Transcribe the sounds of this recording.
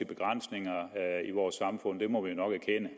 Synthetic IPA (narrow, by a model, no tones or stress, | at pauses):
eb̥e̝ɡ̥ʁan̰sne̝ŋɐiʋɒːsːɑ̈mfɔ̽n̰d̥e̝mɒ̽ʋionɒ̽ɡ̥æɐkʰenə